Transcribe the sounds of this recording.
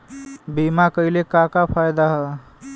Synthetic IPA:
bimakəɪlekakapʰajd̪aɦə

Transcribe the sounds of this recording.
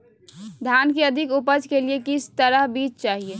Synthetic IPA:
d̪ʱankeəd̪ʱɪkupəd͡ʒkeliekɪst̪əɾəɦbiːt͡ʃt͡ʃaːɦie

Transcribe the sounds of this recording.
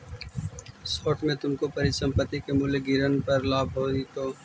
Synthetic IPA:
soːʈmẽt̪ʊmkopɐɾisə̃mpət̪ːikemʊleɡɪɾənpɐɾlaːbʱɦoːit̪oː

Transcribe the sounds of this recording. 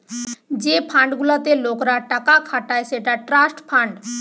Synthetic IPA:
d͡ʒeːpʰãːɳɖɡʊlat̪eloːkɾaʈakakʰaːʈaeseːʈaʈɾaːsʈpʰãːɳɖ

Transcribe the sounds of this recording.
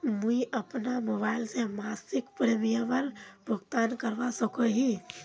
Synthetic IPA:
mũiʔəpnamoβaɪlsẽmasikpɾemijəʋəɾbʱuɡt̪ankəɾʋasəkɔɦĩ

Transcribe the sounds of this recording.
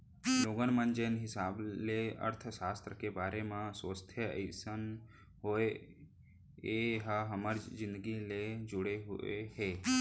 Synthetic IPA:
loɡənmə̃nd͡ʒənɦɪsaːbleə̰ɾt̪ʰəʃaːst̪ɾəkebaːɾemãsʋəst̪ʰjəə̰sən | ɦoe | eɦəɦəməɾd͡ʒɪ̃nd̪əɡiled͡ʒʊɽeɦʊeɦeː

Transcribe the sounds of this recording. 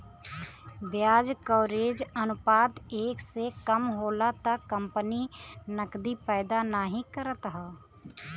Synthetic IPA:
bjaːd͡ʒkɔːɾeːd͡ʒənʊpaːd̪eːksekəmɦoːlat̪akə̃mpəninəkd̪ipɛːd̪anaːɦĩkəɾət̪ɦɛː

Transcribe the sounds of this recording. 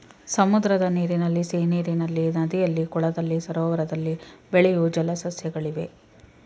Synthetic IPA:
sɐmud̪ɾɐd̪ɐniːɾinɐlːiseːniːɾinɐlːinɐd̪ijɐlːikɔɭɐd̪ɐlːisɐɾɔːʋɐɾɐd̪ɐlːibeɭɛjud͡ʒɐlɐsɐsjɐɡɐɭiʋe̞

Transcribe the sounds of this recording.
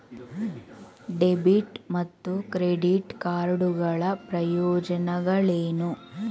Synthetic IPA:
ɖebiʈmɐt̪ːukɾeɖiʈkaːɾɖuɡɐɭɐpɾɐjɔːd͡ʒɐnɐɡɐɭeːnu

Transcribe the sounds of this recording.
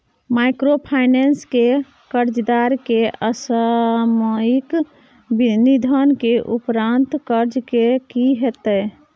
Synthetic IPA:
majkɾopʰajnenske | kəɾd͡ʒd̪aɾkeəsəmik | binid̪ʱənkeʔupɾant̪kəɾd͡ʒkekiɦet̪ə

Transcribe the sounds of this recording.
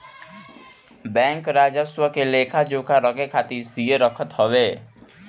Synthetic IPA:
bɛ̃ːŋkɾaːd͡ʒəswəkeleːkʰad͡ʒõːkaɾəɡekʰaːt̪iɾsieɾəkʰət̪ɦoweː

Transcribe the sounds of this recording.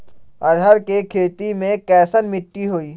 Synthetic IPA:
ɐɾɦəɾkekʰeːt̪imẽkɛːsənmɪʈːiɦoːiː

